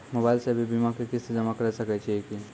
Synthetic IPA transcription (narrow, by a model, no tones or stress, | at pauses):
moːbaːɪlsebʱibimãkikɪsed͡ʒɐmakɐɾsɐket͡ʃʰieki